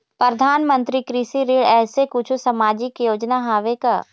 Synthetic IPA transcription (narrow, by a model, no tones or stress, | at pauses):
pɾəd̪ʱaːnmə̃nt̪ɾikɾiʃiɾeːɽɛːsekʊt͡ʃʰusɐmaːd͡ʒɪkjoːd͡ʒnaɦaːʋeka̰ː